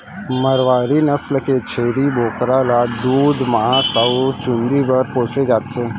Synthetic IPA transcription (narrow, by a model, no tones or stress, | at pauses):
məɾʋaːɾinəsləket͡ʃʰeːɾiboːkɾalad̪uːd̪məɦãsaut͡ʃʊ̃nd̪ibəɾpoːsed͡ʒaːt̪eː